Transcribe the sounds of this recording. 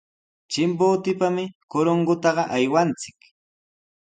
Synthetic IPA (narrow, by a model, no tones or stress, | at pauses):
t͡ʃɪmpoːt̪ɪpamɪkoɾoŋɢʊt̪ɑɢɑʔajwant͡sɪ̥k